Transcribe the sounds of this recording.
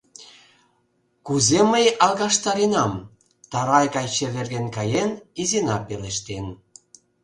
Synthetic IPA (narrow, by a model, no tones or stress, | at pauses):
kuzeməjɑlˠɣɑʃt̪ɑɾinɑm | t̪ɑɾɑjɣɑjt͡ɕeβerɣenkɑjenizinɑpeleʃt̪en